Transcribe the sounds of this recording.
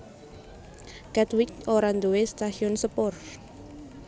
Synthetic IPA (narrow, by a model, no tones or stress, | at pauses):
kɛt̪wikoɾand̪uwest̪aʃiɔnsəpɔr